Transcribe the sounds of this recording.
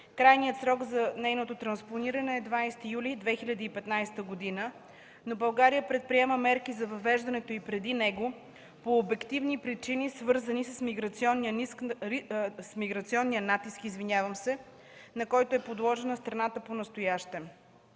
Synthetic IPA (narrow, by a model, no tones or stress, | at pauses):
kɾajnijət̪sɾɔɡzɐnɛjnot̪ot̪ɾɐnsponiɾɐnɛːd̪vaajst̪ijulʲid̪vɛxilʲɐd̪iːpɛt̪najst̪əɡod̪inə | nobɐlˠɡaɾijəpɾɛt̪̚pɾiɛməmɛɾkizɐvɐvɛʒd̪ɐnɛt̪oipɾɛd̪inɛɡo | poːbɛkt̪ivnipɾit͡ʃinisvɤɾzənisəsmiɡɾɐt̪siɔnːijənisk | smiɡɾɐt̪siɔnːijənat̪iskizvinʲavəmsɛ | nɐkɔjt̪oɛpod̪lˠɔʒɛnəst̪ɾɐnat̪əponɐst̪ojaʃt̪ɛm